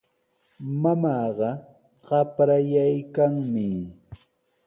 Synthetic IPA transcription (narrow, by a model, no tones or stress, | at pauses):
mamɑːɢɑ | ɢɑpɾajajkaŋmɪ